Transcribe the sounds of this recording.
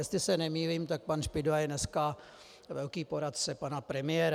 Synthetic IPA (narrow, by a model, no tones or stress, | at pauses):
jɛst̪lɪsɛnɛmiːviːmt̪ak̚panʃpɪdvajɛnɛska | vɛlkiːpoɾat̪t͡sɛpanapɾɛmɪɛːɾ